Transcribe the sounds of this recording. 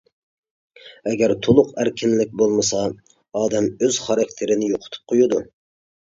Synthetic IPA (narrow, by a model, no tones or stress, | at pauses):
ɛɡʲæɾt̪ʰolˠʊqæɾkʲʰɪnlɪk̚ʲbolˠmɨsɑ | ɑːd̪ɛmøz̥χɑɾɑk̚ʲt̪ʰɪɾɪnɪjoqʰʊ̥t̪ʰu̥p̚qʰojud̪u